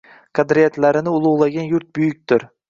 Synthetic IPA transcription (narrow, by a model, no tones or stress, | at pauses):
qʰad̪ɾijat̪laɾɪnɪʊlˠʊʁlˠaɡʲanjʊɾt̪̚bʊjʊk̚ʲt̪ɪɾ